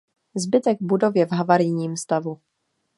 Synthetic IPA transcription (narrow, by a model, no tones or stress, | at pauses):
zbɪt̪ɛɡbudo̞vjɛvɦavaɾɪjɲiːmst̪avu